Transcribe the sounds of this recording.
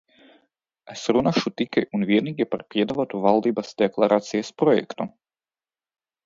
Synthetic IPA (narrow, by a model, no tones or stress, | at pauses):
esɾunaʃut̪ikajʔunvʲiɛniːɡʲipaɾpʲiɛd̪avat̪uvalˠd̪iːbasd̪̥ʲɛklˠaɾaːt̪sijaspɾɔjɛ̰kt̪u